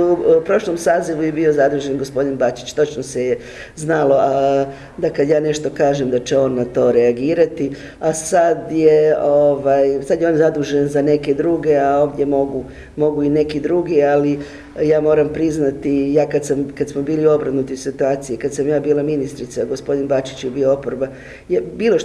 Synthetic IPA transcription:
upɾo̞ʃlomsaːziʋuje̞bio̞zad̪uːʒe̞nɡo̞spo̞d̪inbat͡ʃi̥t͡ʃt̪o̞t͡ʃnoseje | znalo̞a | d̪akad̪jaːne̞ʃt̪o̞kaːʒemd̪at͡ʃe̞o̞ːnːat̪o̞ːɾe̞aɡiːɾat̪i | asad̪jeoʋajsad̪jeo̞nzad̪uːʒenzane̞ke̞d̪ɾuɡe̞ao̞ːʋd̪ʲje̞mo̞ɡu | mo̞ɡuine̞kid̪ɾuːɡiali | jaːmo̞ːɾampɾiznat̪ijaːkad̪samkad̪smobiːlio̞bɾanut̪isit̪uaːt̪sijekad̪samjaːbiːlaminist̪ɾit̪saɡo̞spo̞d̪inbat͡ʃi̥t͡ɕjebio̞o̞poɾba | jebiːlo̞

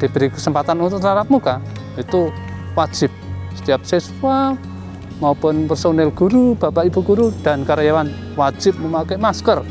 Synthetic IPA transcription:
d̥i̤b̥əɾikəsəmpat̪anunt̪ʊlaɾap̚muka | it̪uwḁd͡ʒ̥ɪp̚sə̥t̪ijap̚seswa | maupʊnpərsonɛlɡ̥uɾub̥a̤paib̥ṳɡ̥uɾud̥a̤nkaɾajawan | wḁd͡ʒ̥ɪp̚məmakɛmaskər

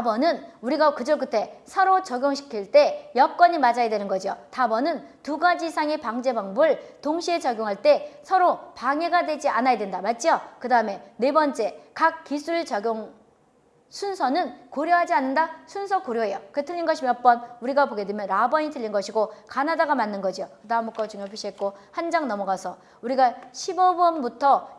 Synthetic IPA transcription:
abʌnɯnuɾiɡakɯd͡ʑʌɭk͈ɯtʰe̞sʰʌɾot͡ɕʌɡjoŋɕʰi̥kʰiɭt͈e̞jʌk͈wʌɲimad͡ʑajadwenɯnɡʌd͡ʑijotabʌnɯntuɡad͡ʑisʰaŋe̞paŋd͡ʑe̞baŋbɯɭtoŋɕʰiet͡ɕʌɡjoŋɦaɭt͈e̞sʰʌɾopaŋe̞ɡadwe̞d͡ʑianajadwendamat̚t͡ɕ͈iʌkɯdaɯme̞ne̞bʌnt͡ɕ͈e̞kak̚k͈ːisʰuɭt͡ɕaɡjoŋ | sʰunsʰʌnɯnkoɾjoɦad͡ʑianːɯndasʰunsʰʌkoɾjoɦe̞jʌkɯtʰɯʎːinɡʌɕʰimʌʌp͈ʌnuɾiɡaboɡe̞dwemjʌnɾabʌɲitʰɯʎːinɡʌɕʰiɡokanadaɡamanːɯnɡʌd͡ʑijokɯdamuk͈ʌt͡ɕuŋjopʰiɕ͈ʰiet̚k͈ohand͡ʑaŋnʌmʌɡasʰʌ | uɾiɡaɕʰibʌbʌnbutʰʌ

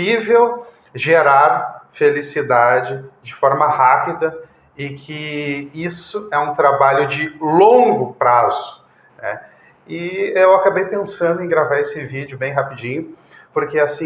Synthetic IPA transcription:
ivew | ʒeɾaɾfelisid̪ad͡ʒɪd͡ʒɪfɔɾmɐhapid̪ɐ | ɪkʰɪisʊɛũt̪ɾabaʎʊd͡ʒɪlõŋɡʊpɾazʊ̥ | nɛ̰ | ɪewakabejpẽsɐ̃nd̪ʊẽj̃ɡɾavaɾesɪvid͡ʒɪʊbẽj̃ɦapid͡ʒĩɲʊ | poɾkeasĩ

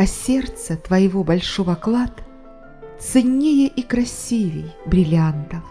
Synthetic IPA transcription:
ɐsʲert̪sət̪vɐjɪvobɐlʲʂovɐklˠat̪ | t̪sɨnʲːejəʔikɾɐsʲivʲɪjbɾʲɪlʲant̪ə

